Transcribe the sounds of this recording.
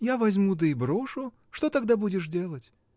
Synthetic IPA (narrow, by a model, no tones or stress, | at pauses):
javazʲmud̪əibɾoʂʊ | ʂt̪ot̪aɡd̪abudʲɪʂdʲelˠət͡sʲ